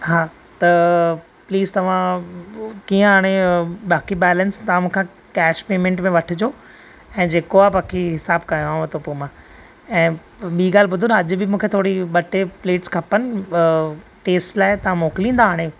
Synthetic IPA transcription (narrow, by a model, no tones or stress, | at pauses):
ɦaː | t̪ɐ | pliːzt̪ɐʋ̤ã | kiːə̃ɦaːɽ̃eɓaːkibɛːlənst̪ɐʋãmũːkʰãː | kɛːʃpeːmẽːɳʈmẽʋɐʈʰɪd͡ʑoː | ɛ̃ːd͡ʑeːkoabaːkʰiɦɪsaːbkaːjoaːõt̪opoːmãː | ɛ̃ː | ɓiːɡaːl̤ɪɓʊd̪ʱʊnɐʄʊ̆bɪmũːkʰet̪ʰoːɽiɓɐʈepleːʈskʰɐpənɪ̆ | ʈeːsʈlaːɪt̪ɐʋ̤ãmoːkɪlĩːn̆d̪aaːɽ̃e